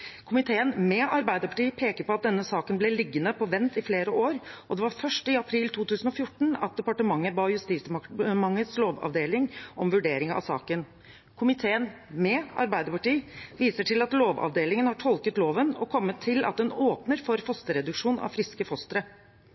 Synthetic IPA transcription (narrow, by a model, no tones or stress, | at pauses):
kʰʊmɪt̪ʰeːənmɛːʔɑɾbæɪd̪əpʰɑ̥ʈiːpʰeːkəɾpɔɑt̪̚d̪ɛnːəsɑːkənblɛlɪɡːənəpʰɔʋɛnt̪ɪfleːɾəʔoːɾʔɔd̪ɛʋɑɾfœʂʈɪɑpʰɾiːlt̪ʰuːt̪ʉːsənɔfjʊʈːɳ̩ɑ̰t̪̚d̪ɛpɑʈəmɑŋːəbɑːjʉst̪iːsmɑŋːət̪sloːʋɑ̰ʋd̪eːlɪŋʔɔmʋʉɖeːɾɪŋɑ̰sɑ̰ːkən | kʰʊmɪt̪ʰeːənmɛːɑ̰ɾbæɪd̪əpɑʈiːʋiːsəʈʰɪlɑt̪loːʋɑ̰ʋd̪eːlɪŋənhɑʈʰɔlkət̪loːʋənɔkʰɔmːət̪ʰːɪlʔɑ̰t̪̚d̪ɛnoːpnəɾfɔɾfɔst̪əɾɛd̪ʉkʂuːnɑ̰ʋfɾɪskəfɔst̪əɾə